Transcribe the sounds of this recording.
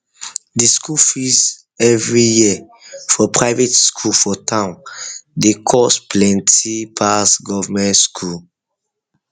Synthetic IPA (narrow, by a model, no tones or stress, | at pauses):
diskʰulfiz | ɛvɹiji | fɔpʰɹaɪvetskʰulfɔtʰãʊ̃ndekʰɔspʰlɛ̃ntipʰasɡɔvamɛ̃ntskʰul